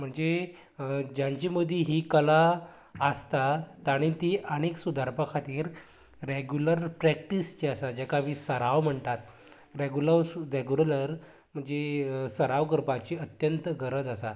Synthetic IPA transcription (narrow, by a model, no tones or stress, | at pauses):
m̤əɳd͡ze | d͡ʑjãɲt͡ɕiməd̪ʱːjiɦikəlaː | st̪at̪aɽ̃it̪iːʔəɽ̃eksud̪ʱəɾpakʰat̪iːɾː | eɡjuləɾpɾɛk̚ʈist͡ɕiasad͡ʑɛkaʋiːsəɾaʋm̤əɳt̪at̪ | ɾeɡjuləʋdeɡjuɾləɾ | m̤əɳd͡zesəɾaʋɡəɾpat͡ɕiət̪jənt̪ɡəɾəd͡zasa